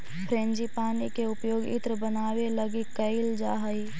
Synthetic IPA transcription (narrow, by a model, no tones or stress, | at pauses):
pʰɾẽːnd͡ʒipaːnikeʊpjoːɡɪ̰t̪ɾəbənaːweləɡikəɪld͡ʒaːɦəi